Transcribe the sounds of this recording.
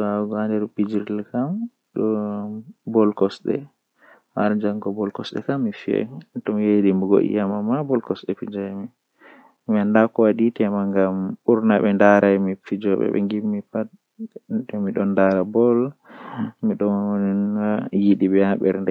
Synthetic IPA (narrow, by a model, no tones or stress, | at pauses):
aɡɔandɛɾpid͡ʒiɾilkam | ɗɔ | bɔlkɔsɗɛ̰ | haɾd͡ʒaŋɡɔbɔlkɔsɗɛ̰kamːifiɛ̰tɔmijedimbuɡo̰ʔḭjamamabɔlkɔsɗɛpid͡ʒajmi | miandakɔwaditɛmaŋɡamuɾnabɛndaɾajmifid͡ʒɔɓɛ̰ɓɛ̰ŋɡimːipat̚ | dɔmiɗɔnːdaɾabɔl | miɗɔnijiɗiɓɛaɓɛ̰ɾndɛ